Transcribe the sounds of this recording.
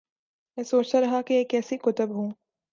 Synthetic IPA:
mɛ̃ːsoːt͡ʃt̪aɾɐɦakeeːkɛːsikʊt̪əbɦũː

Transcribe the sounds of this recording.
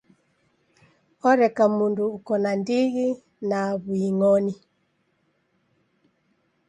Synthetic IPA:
ɔɾɛkamunduːkɔnandiɣi | naβuiŋɔni

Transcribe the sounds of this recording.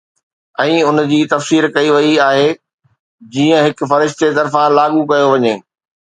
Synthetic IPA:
ɛ̃ːʊnd͡ʑiːt̪ɐfsiːɾkɐiʋɐiaːɦe | d͡ʑiːə̃ɦɪk̆fɐɾɪʃt̪et̪ɐɾfãlaːɠukɐjoʋɐɲeː

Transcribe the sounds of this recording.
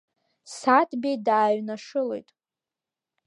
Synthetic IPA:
satʰbʲejdaːɥnaʂɨlḛjtʼ

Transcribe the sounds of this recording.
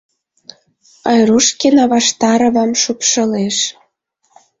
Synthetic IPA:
ɑjruʃkenɑβɑʃt̪ɑɾɤ̆βɑmʃupʃɤ̆leʃ

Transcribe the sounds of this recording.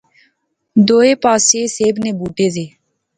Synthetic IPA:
d̪oːeːpaːseːseːbneːbuːʈeːzeː

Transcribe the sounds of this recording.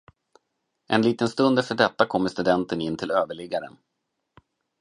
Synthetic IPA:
ʔɛ̰nliːt̪ənst̪ɵnd̪ɛft̪əɖɛt̪ːakʰɔmːəʂt̪ɵd̪ɛnt̪ənɪnːt̪ʰɪløːvəɭɪɡaɾə̰n

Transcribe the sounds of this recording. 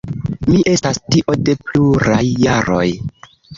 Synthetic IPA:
miʔe̞stastiʔo̞de̞pluɾajːaɾo̞̰j

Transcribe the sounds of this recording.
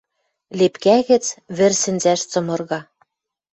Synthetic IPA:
lepkæɣɘ̆t͡sβɘ̆rsɘ̆nzæʃt͡sɤ̆mɤ̆rɣɑ

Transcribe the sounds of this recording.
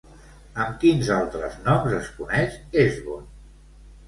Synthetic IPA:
əmkinzalˠt̪ɾəznɔmzəskunɛʃezβon

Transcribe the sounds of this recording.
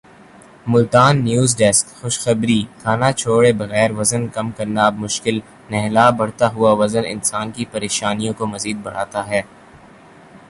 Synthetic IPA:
mʊlt̪aːnːjuːzɖɛskxʊʃxɐbɾik̪ʰaːnat͡ʃʰoːɽebɐɣɛːɾʋɐzənkɐmkɐɾnaːbmʊʃkɪl | nɛɦlaːbɐɽ̤t̪aɦʊaʋɐzənɪ̰nsaːnkipɐɾeːʃaːnijõkomɐziːd̪̚bɐɽ̤a̰ːt̪aɦɛː

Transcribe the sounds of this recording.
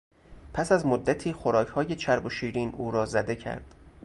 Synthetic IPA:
pʰæsæzmod̪ːæt̪ʰiːxoɾɒːcʰhɒːje̞t͡ʃʰæɾbo̞ʃiːɾiːnʔuːɾɒːzæd̪e̞cʰæ̰ɾd̪̥

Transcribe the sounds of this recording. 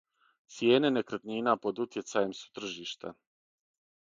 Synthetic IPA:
t̪sje̞ːne̞nekɾat̪niːnapo̞d̪ut̪je̞t̪saje̞msu̥t̪r̩ʒiːʃt̪a̰

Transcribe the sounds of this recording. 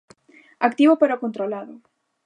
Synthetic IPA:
ak̚t̪iβopeɾokont̪ɾolaðo

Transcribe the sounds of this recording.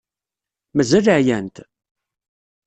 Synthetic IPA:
mæzæləʕjænt̪

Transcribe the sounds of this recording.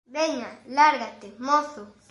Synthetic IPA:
beɲalaɾɡat̪emoθo

